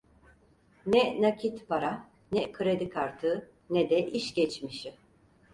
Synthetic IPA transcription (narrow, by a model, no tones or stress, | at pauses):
nɛnacʰit̪paɾa | nɛkʰɯɾed̪ikʰaɾt̪ʰɯ | nɛd̪ɛʔiʃɟɛt͡ʃmiʃi